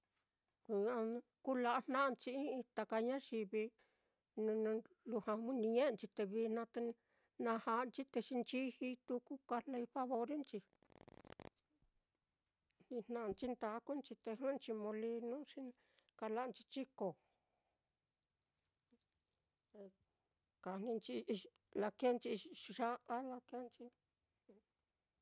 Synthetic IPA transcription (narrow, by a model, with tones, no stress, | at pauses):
a˧ku˦la˧ʔa˧n̥nã˦ʔnt͡ʃi˧i˦i˧t̪a˧ka˧ɲã˦ʃi˧βi˧ | ñ˧ | lu˧hã˧u˦nĩ˧ɲẽ˦ʔt͡ʃi˧t̪e˧βi˧nã˧t̪e˧ | nã˧ha˧nt͡ʃi˦t̪e˧ʂi˧nt͡ʃi˦hi˧t̪u˧ku˦ka˧le˧ɸa˦βo˧ɾe˦nt͡ʃi˧ | n̥ĩ˧n̥ã˧nt͡ʃi˦nt̪a˧˦ku˦nt͡ʃi˧t̪e˧ɦɨ̃˦nt͡ʃi˧mõ˧li˧nũ˦ʃi˧ | ka˧la˦˧nt͡ʃi˧t͡ʃi˦ko˨ | e˧ | ka˨˧n̥ĩ˧nt͡ʃi˧ | la˧ke˦nt͡ʃi˧ʐa˦ʔa˦la˧ke˧˦˧nt͡ʃĩ˧